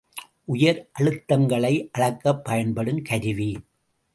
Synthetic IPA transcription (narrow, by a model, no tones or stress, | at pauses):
ʔʊjɐɾʔɐɻɯt̪ːɐŋɡɐɭɐɪʔɐɭɐkːɐpːɐjɐnpɐɽɯmkʰɐɾɪʋi